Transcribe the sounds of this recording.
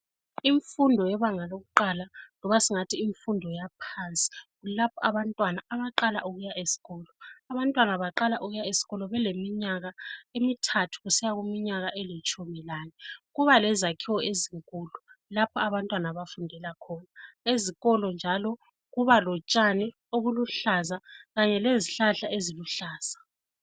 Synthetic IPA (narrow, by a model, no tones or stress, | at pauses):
iɱfundʱɔjɛβaŋaloɣuǃalalɔβasiŋatʰiːɱfundʱɔjapʰant͡sʼi̥ | ulapʰɔaβantʼwanaaβaǃalaʔuɣujaʔesi̥ɣɔlɔaβantʼwanaβaǃalaʔuɣujaesi̥ɣɔlɔβɛlemiɲaɣaemitʰatʰu̥ɣusɛjaɣumiɲaɣaʔɛlit͡ʃʼumilaːnɛɣuβalɛzakʰiwɔeziŋkʼululapʰɔaβantʼwanaβafundʱɛlakʰɔnaeziɣɔlɔnd͡ʒʱalɔ | ɣuβalɔt͡ʃʼani | oɣuluɬazaɣaɲɛleziɬaɬaʔeziluɬaːz̥a